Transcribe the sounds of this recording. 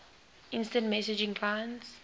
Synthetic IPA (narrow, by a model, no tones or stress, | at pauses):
ɪ̃nstə̃nt̚mɛsɪd͡ʒɪ̃ŋpʰlãɪ̃ns